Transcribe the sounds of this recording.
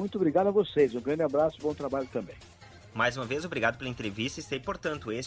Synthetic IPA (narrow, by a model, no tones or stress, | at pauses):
ũj̃t̪ʊobɾiɡad̪ʊɐvosezũɡɾɐ̃nd͡ʒ̪ɪabɾasʊ̥bõt̪ɾabaʎʊt̪ɐ̃mbẽj̃ | majzũmɐvezobɾiɡad̪ʊpelɐẽnt̪ɾevist̪ɐist̪ɐipoɾt̪ɐ̃nt̪ʊes